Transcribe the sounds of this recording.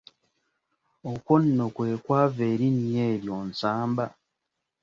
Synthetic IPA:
okwonːokweːkwaːveːɾinijeːɾjonsaːmba

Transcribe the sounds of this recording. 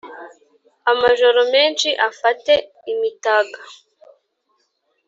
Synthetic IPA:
amaʒo̞ɾo̞me̞ːnʃiʔafate̞ | imitaɡa

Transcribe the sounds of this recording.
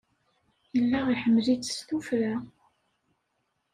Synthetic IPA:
jəlːaʁiħəmːlit͡sːst̪ufɾa

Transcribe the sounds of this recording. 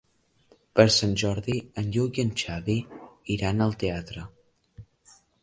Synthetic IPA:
pəɾsanʲʒɔɾðiənʎuɣiənt͡ʃaβiiɾanəlˠt̪eat̪ɾə

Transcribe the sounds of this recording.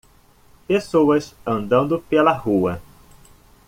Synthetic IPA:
pesowɐsɐ̃nd̪ɐ̃nd̪ʊpelɐhuɐ

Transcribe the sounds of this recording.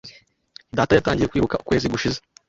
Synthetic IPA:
daːtajataːɲɟiɾekwiːβukaukwe̞ːziɡuʃize

